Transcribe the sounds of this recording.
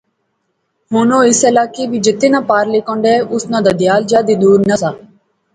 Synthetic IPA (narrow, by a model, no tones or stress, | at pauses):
ɦoːnõːɪsəlaːkeːbiːd͡ʒɪt̪ːeːnãːpaːɾlekõːɳɖ̪eːʊsnãːd̪ad̪ɪjaːld͡ʒjaːd̪iːd̪uːɾnəsaː